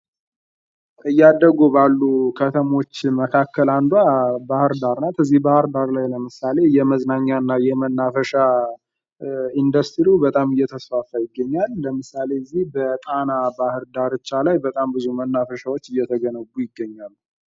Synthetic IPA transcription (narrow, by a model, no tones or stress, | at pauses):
ʔɨjːad̪əɡubalːukʰət̪ʰəmo̞t͡ʃːməkʰakːəland̪wabahɨɾd̪aɾnat̪ɨzːihbahɨɾd̪aɾlajləmɨsale̞jɛməznaɲːaɨnːajɛmənːafəʃa | ind̪əst̪ɾiubət̪ʼamɨjːɛt̪ʰəsfafajɪɡːəɲːalːəmɨsale̞ɨzːihbət̪ʼanabahɨɾd̪aɾɨt͡ʃːalajbət̪ʼambɨzumənːafəʃawo̞t͡ʃːɨjːɛt̪ʰəɡənəɡːujɪɡːəɲːalː